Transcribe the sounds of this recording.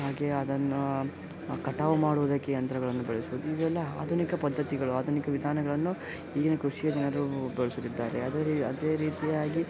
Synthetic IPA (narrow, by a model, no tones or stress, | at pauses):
ɦaːɡe̞ɐd̪ɐnːu | kɐʈaːʋɐmaːɽuʋud̪ɐkːeɐnt̪ɾɐɡɐɭɐnːubɛɭesuʋud̪uiʋɛlːɐa̰ːd̪ʱunikɐpɐd̪ʱːɐt̪iɡɐɭuaːd̪ʱunikɐʋid̪ʱaːnɐɡɐɭɐnːu | iːɡinɐkɾuʂijɐd̪inɐɾubeɭesut̪ːid̪ːaːɾeɐd̪eɐd̪e̞ːɾiːt̪ijaːɡi